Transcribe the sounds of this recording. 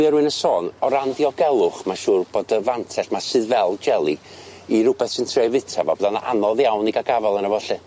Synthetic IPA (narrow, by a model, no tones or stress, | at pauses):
ɨəɾwɨnəsɔːnɔɾandiɔɡɛlˠʊχmaʃuːrb̥oːdəvantʰɛɬmasɨðvɛlˠd͡ʒɛlˠi | iɾʊbɛθsɪntʰrevɨtʰavabɔðanaʔa̰nɔðjawniɡaɡavɛlˠənəvɔɬɨ